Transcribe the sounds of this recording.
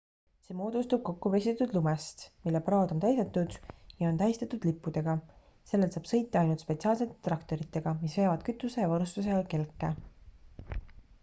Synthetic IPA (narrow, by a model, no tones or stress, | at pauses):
semo̞ːd̪̥ust̪ub̥̚ko̞kːuvesʲit̪et̪ːud̪lumest̪milːeprɑːd̪o̞nt̪æjset̪ːˑud̪̥jɑo̞nt̪æist̪ɑt̪ːud̪̥lipːud̪̥e̞ɡ̥ɑ | se̞lːelt̪sɑːb̥sɤ̞jt̪ːˑeɑjnult̪spe̞t̪siɑːlse̞t̪ːˑet̪rɑkt̪o̞ɾit̪ːˑe̞ɡ̥ɑmisve̞ːvɑd̪̥̚kyt̪ːˑuse̞jɑvɑɾust̪us̬eɑlke̞lkːˑe